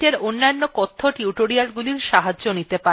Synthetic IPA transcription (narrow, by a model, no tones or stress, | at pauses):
eɾonːanːokɔt̪ʰːoʈiuʈoɾialɡuliɾʃaɦad͡ʑʑonit̪epa